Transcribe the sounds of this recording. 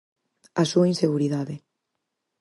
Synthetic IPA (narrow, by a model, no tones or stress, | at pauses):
asuainseɣ̞uɾiðaðɪ